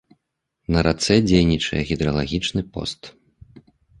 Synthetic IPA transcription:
nɐɾat̪sɛd͡zʲejnʲit͡ʂɐjɛɣʲid̪ɾɐlˠaɣʲit͡ʂnɨpɔ̰st̪

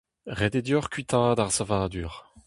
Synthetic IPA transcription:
ʁɛd̪ed̪jɔʁkɥit̪ʰãd̪aʁsavaːd̪yːʁ

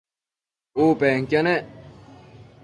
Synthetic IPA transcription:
oːpeːŋkʲjɐne

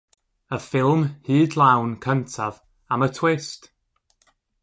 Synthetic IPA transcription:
əfɪlˠmhɨːdlˠawnkʰəntʰað | amətʰw̥ɪst

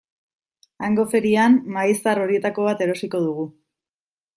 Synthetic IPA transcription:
aŋɡo̞fe̞ɾiamːaist̪aro̞ɾie̞t̪ako̞β̞at̪e̞ɾo̞siko̞ðuɣ̞u

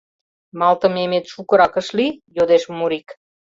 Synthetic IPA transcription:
mɑlt̪ə̆memet̪ʃukə̆ɾɑkə̆ʃlijod̪eʃmuɾik

